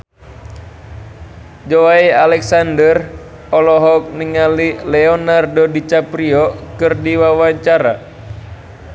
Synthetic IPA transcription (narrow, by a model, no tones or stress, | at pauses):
d͡ʒowaialɛksandər | ɔlɔɦɔk̚niŋalilɛɔnardodit͡ʃapɾiɔkɨrdiwawaɲt͡ʃaɾa